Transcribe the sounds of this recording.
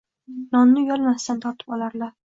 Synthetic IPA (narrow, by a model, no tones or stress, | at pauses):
nɒnːɪjɒlˠmast̪ant̪ʰɒɾt̪ʰɪ̥pɒlˠaɾlaɾ